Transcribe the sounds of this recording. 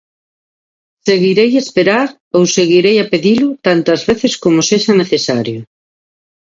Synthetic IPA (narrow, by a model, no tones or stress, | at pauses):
seɣiɾejespeɾaɾ | owseɣiɾejapeðilʊt̪ant̪ɐzβeθeskomoseʃɐneθesaɾjʊ